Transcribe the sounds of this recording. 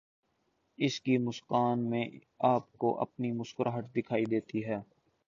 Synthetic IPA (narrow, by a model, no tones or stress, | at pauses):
ɪskimʊskaːnmẽ | aːpko̰ʔɐ̰pnimʊskəɾɦəʈd̪ɪkʰaːid̪eːt̪iɦɛː